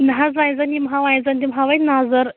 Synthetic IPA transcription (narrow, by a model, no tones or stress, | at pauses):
nɦazãjd͡zanimɦaʋãj̃d͡zant̪imɦaʋajnazəɾ